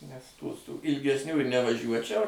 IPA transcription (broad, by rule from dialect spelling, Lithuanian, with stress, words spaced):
nʲɛs ˈtuː sʊ ɪlʲɡʲɛsʲˈnʲuː ɪr nʲɛʋɐˈʒʲuɔt͡ʃʲɛʊ